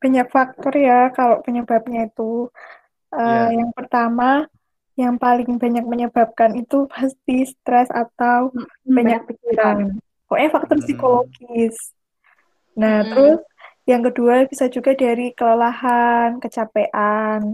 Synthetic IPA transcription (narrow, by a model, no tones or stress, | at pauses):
b̥a̤ɲak̚fak̚t̪ɔrjakaloʔpəɲəb̥ap̚ɲait̪u | ʔəjaŋpərt̪ama | jaŋpalɪŋba̤ɲak̚məɲəb̥ap̚kanit̪upast̪ist̪ɾɛsa̰t̪aw | b̥aɲak̚pikiɾan | kɔʔɲafak̚t̪ɔrsikoloɡ̥ɪs | naht̪əɾʊs | jaŋkəduab̥isad͡ʒuɡadaɾikələlahankət͡ʃapeʔan